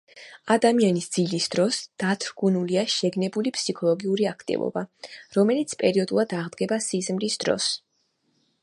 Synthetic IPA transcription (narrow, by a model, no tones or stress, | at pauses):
ad̪amianisd̪zilisd̪̥ɾɔsd̪̥at̪ʰɾɡunuliaʃɛɡnɛbulipʰsikʰɔlˠɔɡiuɾiakʰt̪ʼḭvɔ̰baɾɔmɛlit̪sʰpʼɛɾiɔd̪ulˠad̪aʁd̪ɡɛbasizmɾisd̪ɾɔ̰s